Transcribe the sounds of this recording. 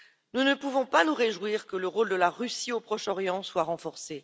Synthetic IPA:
nunəpuvɔ̃panuʁeʒwiʁkələʁold̪əlaʁysiopχɔʃɔʁjɑ̃swaʁɑ̃fɔʁse

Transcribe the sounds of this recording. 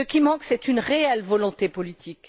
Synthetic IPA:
əkʲimɑ̃ksɛt̪ynʁeɛlvɔlɔ̃t̪epɔlit̪ʰik

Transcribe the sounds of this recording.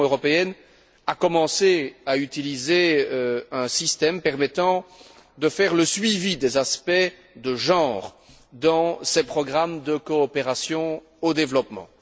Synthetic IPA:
øʁɔpeɛn | akɔmɑ̃seayt̪ilize | ɛ̃sist̪ɛmpɛʁmɛt̪ɑ̃ | d̪əfɛʁləsɥivid̪ɛzaspɛ | d̪əʒɑ̃ːʁ | d̪ɑ̃sɛpχɔɡʁamd̪əkɔːpeʁasjɔ̃ | od̪evlɔpmɑ̰̃

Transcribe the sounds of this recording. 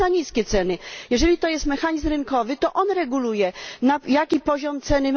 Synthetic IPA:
aɲiskʲɛt̪sɛnɘjɛʐɛlʲit̪ɔjɛst̪mɛxaɲizmɾɘnkɔvɘt̪ɔʔɔnɾɛɡulujɛnajakʲipɔʑɔmt̪sɛnɘ

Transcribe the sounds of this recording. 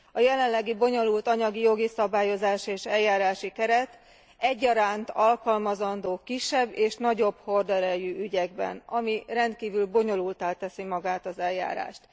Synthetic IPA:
ɒjɛlɛnlɛɡibo̞ɲo̞lult̪ɒɲɒɡijo̞ɡisɒbaːjo̞zaːʃieːʃɛljːaːɾaːʃikɛɾɛt̪ | ɛɟːɒɾaːnt̪ɒlkɒlmɒzɒnd̪oːkiʃːɛbːeːʃnɒɟo̞b̥ho̞rd̪ɛɾɛjyyɟɛɡbɛ̰nɒmirɛnt̪̚kiːvylbo̞ɲo̞lult̪aːlt̪ɛsimɒɡaːt̪ɒzɛlːa̰ːɾa̰ːʃt̪

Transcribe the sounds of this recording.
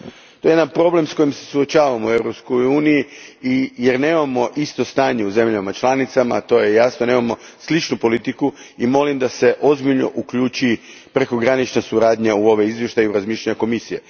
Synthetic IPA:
t̪o̞jejed̪anpɾo̞ble̞msko̞jimse̞̥suot͡ʃaːʋamoue̞ʋɾopskojuːnijiijeɾne̞ːmamo̞ʔist̪o̞st̪aːɲe̞uze̞mʎamat͡ʃlˠanit̪sama̰t̪o̞je̞jasnone̞ːmamo̞slit͡ʃnupo̞lit̪ikuimo̞limd̪ase̞ʔo̞zbiʎno̰ʔukʎuːt͡ʃipɾe̞ko̞ɡɾanit͡ʃnasuɾaːd̪ɲeuo̞ʋe̞izʋje̞ʃt̪ajiuɾazmiːʃʎaɲako̞misije̞̰

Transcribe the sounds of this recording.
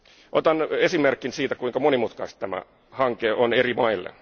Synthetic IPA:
ʔot̪ɑnesimerkːinsiːt̪ækuiŋkɑmonimut̪kɑist̪t̪ːæmæ̰ | hɑŋkeonerimɑilːḛn

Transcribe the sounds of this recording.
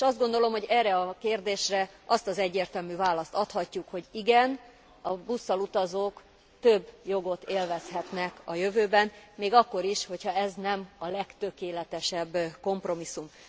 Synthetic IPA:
eʃɒzd̪ɡo̞nd̪o̞lo̞mho̞ɟɛːrːɛɒkeːrd̪eːʃrɛʔɒst̪ɒzɛɟːeːrt̪ɛlmyvaːlɒst̪ɒt̪hɒcːukho̞ɟiɡɛn | ɒbusːɒlut̪ɒzoːk | t̪ø̞bːjo̞ɡo̞t̪eːlvɛshɛt̪nɛkɒjø̞vøːbɛnmeːɡɒkːo̞ɾiʃho̞chɒɛznɛmɒlɛkt̪ø̞keːlɛt̪ɛʃɛbːko̞mpro̞misːum

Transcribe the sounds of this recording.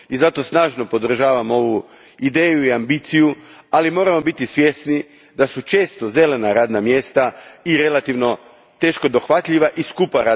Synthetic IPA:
izat̪o̞snaːʒno̞po̞d̪r̩ʒaːʋamo̞ʋu | id̪e̞ːjuiambit̪sijualimo̞ːɾamo̞bit̪isʋjesni | d̪asut͡ʃe̞ːst̪oze̞le̞naɾaːd̪namje̞ːst̪aiɾe̞lat̪iʋno̞ | t̪e̞ːʃko̞d̪o̞xʋat̪ʎiʋaʔiskupaɾa

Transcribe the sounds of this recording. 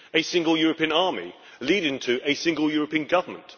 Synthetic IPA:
əsɪ̃ŋɡəlˠjɔːɹəpʰĩə̃nɑːmḭ | liːɾɪ̃ŋtʰəʔəsɪ̃ŋɡəlˠjɔːɹəpĩə̃nɡʌvəmə̰̃nt

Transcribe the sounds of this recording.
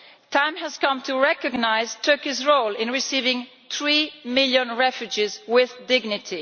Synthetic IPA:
tʰãɪ̃mhæz̥kʌ̃mtʰuɹɛkɔɡnaɪz̥tʰɜ˞kizɹolɪ̃nɹɪsivɪ̃ŋ | θɹimɪljə̃nɹɛfjud͡ʒizwɪðdɪɡnɪtʰi

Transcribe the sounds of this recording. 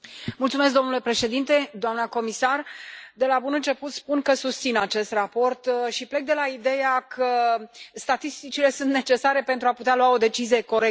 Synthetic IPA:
mult̪sumesk̚d̪o̞nule̞pɾe̞ʃe̞d̪int̪e̞d̪oamnəko̞misard̪e̞labunɨnt͡ʃe̞put̪spunkəsust̪sinat͡ʃe̞st̪rapo̞rt̪ʃiple̞k̚d̪e̞laid̪e̞jakʰəst̪at̪ist̪it͡ʃile̞sunt̪ne̞t͡ʃe̞saɾe̞pe̞nt̪ɾuaput̪ealwao̞d̪e̞t͡ʃizije̞ko̞ɾek

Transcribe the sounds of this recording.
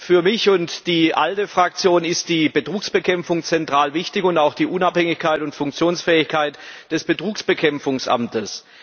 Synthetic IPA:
fyːɐmɪçʊntd̥iːʔaltəfʁ̥ak̚t͡sjoːnɪst̚d̥iːbətʁ̥uːksb̥əkʰɛmfʊŋt͡sɛntʁ̥aːlvɪçtɪçʊntaʊxd̥iːʔʊnaphɛŋɪçkʰaɪtʊntfʊŋk̚t͡sjoːnsfɛːɪçkʰaɪtd̥ɛsb̥ətʁ̥uːksb̥əkʰɛmfʊŋsʔa̰mtəs

